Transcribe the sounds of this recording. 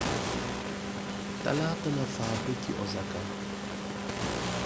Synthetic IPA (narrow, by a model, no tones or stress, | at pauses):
ta̰latənafaːbetʰḭʔɔzaka